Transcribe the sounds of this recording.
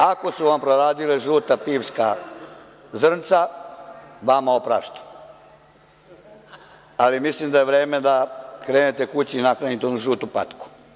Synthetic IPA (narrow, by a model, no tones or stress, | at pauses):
ako̞suʋampɾoɾaːd̪ileʒuːt̪apiːʋska | zr̩nt̪sa | ʋamaopɾa̰ːʃt̪u̥ | alimislimd̪ajeʋɾeːme̞d̪akɾeːnet̪ekut͡ɕiːnakɾanit̪eonuʒuːt̪upat̪ku̥